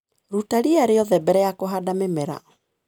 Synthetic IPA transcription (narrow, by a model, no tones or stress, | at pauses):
ɾutaɾiaɾeɔðɛbɛɾɛjakoɦadamemɛɾa̰